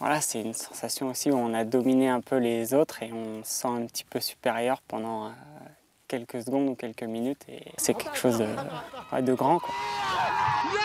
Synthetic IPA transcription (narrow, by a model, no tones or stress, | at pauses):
vwa̰lasɛynsɑ̥̃sasjɔ̃osiuɔ̃nad̪ɔmineɛ̃pʰølezot̪χeɔ̃sɑ̃ɛ̃pət̪i̥pøsy̥peʁjœʁpɑ̃d̪ɑ̃ | kʲɛlkəsəɡɔ̃d̪ukʲɛlkəminyt̪ʰḛsɛkʲɛkə̥ʃozd̪əa̰d̪əɡʁɑ̃kwa